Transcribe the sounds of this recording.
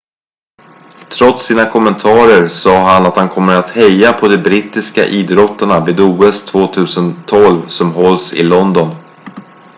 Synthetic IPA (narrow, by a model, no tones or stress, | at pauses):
t̪ʰɾɔt̪siːnakʰɔmːɛnt̪ʰɑːɾəɾsɑːɦanat̪hankʰɔmːəɾat̪hɛjːapʰɔd̪ɛbɾit̪ːɪska̰ʔiːd̪ɾɔt̪ːəɳaviːd̪uːɛst̪ʰvoːt̪ʰʉ̟ːsənt̪ʰːɔlvsɔmɦɔlsɪ̰lɔnd̪ɔn